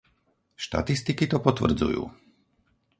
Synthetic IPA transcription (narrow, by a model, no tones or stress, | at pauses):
ʃt̪a̰t̪ist̪ikit̪ɔpɔt̪ʋr̩d͡zṵjṵː